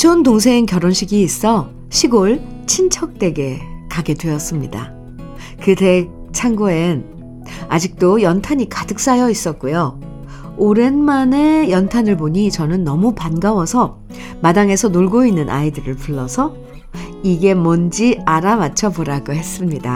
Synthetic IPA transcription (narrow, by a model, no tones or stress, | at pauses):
t͡ɕʰontoŋsʰeinkjʌɾonɕʰiɡiːs͈ʌ | ɕʰiɡoɭt͡ɕʰint͡ɕʰʌk̚t͈we̞ɡe̞kaɡe̞dweʌs͈ɯmɲida̰ | kɯte̞ | t͡ɕʰaŋɡoen | ad͡ʑik̚t͈ojʌntʰaɲikadɯk̚s͈ajʌis͈ʌt̚k͈ujo | oɾe̞nmane̞jʌntʰanɯɭboɲit͡ɕʌnɯnːʌmupanɡawʌsʰʌ | madaŋe̞sʰʌnoɭɡoinːɯnʔa̰idɯɾɯɭpuɭːʌsʰʌ | iɡe̞mʌnd͡ʑiaɾamat͡ɕʰʌboɾaɡohe̞s͈ɯmɲida̰